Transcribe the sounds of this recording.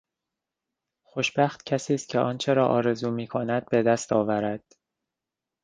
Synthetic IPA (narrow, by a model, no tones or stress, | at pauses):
xoʃb̥æxt̪cʰæsiːst̪̚cʰeʔɒːnt͡ʃʰe̞ɾɒːʔɒːɾe̞zuːmiːkʰonæd̪̥̚be̞d̪æst̪ʰɒːvæɾæd̪̥